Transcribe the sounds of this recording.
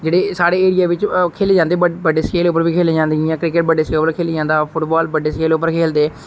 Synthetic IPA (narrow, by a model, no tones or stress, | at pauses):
d͡ʒeːɽeːsaːɽeːeːɾɪjaːʋɪt͡ʃkʰeːleːd͡ʒãːnd̪eːəbəɖeːskeːlʊpːəɾʋiːkʰeːleːd͡ʒãːnd̪eiãːkɾɪkəʈ̚bəɖːeːskeːpəɾkʰeːleːd͡ʒãːnd̪aːpʰʊʈbaːlbəɖeːskeːlʊpːəɾkʰeːld̪eː